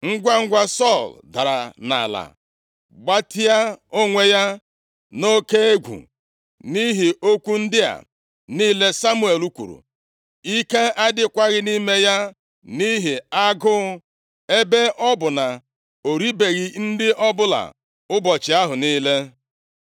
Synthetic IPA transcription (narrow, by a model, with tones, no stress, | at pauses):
ŋ̩˦ɡʷa˦ŋ̩˦ɡʷa˦sɔ˦˨lda˨ɾa̰˨na̰˨la̰˨ | ɡ͡ba˦tɪ˦a˦o˦ŋʷe˦ja˦ | no˦ke˦e˦ɡʷṵ˨ | ni˦ɦi˨ʔo˦kʷu˦n̩˦dɪ˦a̰˨ | niː˦le˦sa˦mu˦e˨lu˦kʷṵ˨ɾṵ˨ | i˦ke˦a˦dɪ˦kʷa˦ɣɪ˦ni˦me˦ja˦ | ni˦ɦi˨a˦ɡʊ˦ʊ˦ | e˦be˦ʔɔ˦bʊ˨na˨ | o˨ɾi˦be˨ɣi˨n̩˦dɪ˦ʔɔ˦bʊ˦la̰˨ | ʊ˦bɔ˨t͡ʃɪ˨a˦ɦʊ˨niː˦le˦